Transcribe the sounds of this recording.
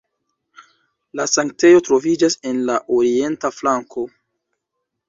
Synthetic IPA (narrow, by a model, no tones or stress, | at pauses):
lasaŋk̚te̞jo̞tɾo̞vid͡ʒase̞nlaʔoɾie̞ntaflaŋkʰo̞